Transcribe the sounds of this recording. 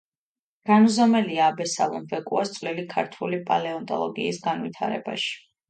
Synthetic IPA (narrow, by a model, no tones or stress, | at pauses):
ɡ̥anzɔmɛliaːbɛsa̰lˠɔ̰mvɛkʼuast̪sʼvlilikʰaɾt̪ʰwulipʼalɛɔnt̪ʼɔ̰lˠɔɡḭːsɡanvit̪ʰa̰ɾɛ̰ba̰ʃi̥